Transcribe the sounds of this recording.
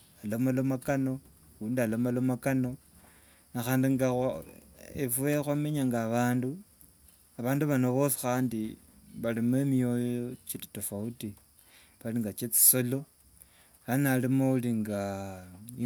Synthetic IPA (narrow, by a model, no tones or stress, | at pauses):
alomalomakano̞ | uːndialomalomakano̞ | naxaːndiŋɡa | ḛfuexwame̞ɲaŋɡaːβaːndu | aβaːnduβanoβosi̥xaːndi | βalimemio̞jot͡ʃiti̥tofauti | βaliŋɡat͡ʃet͡si̥so̞lo̞ | analimouliŋɡa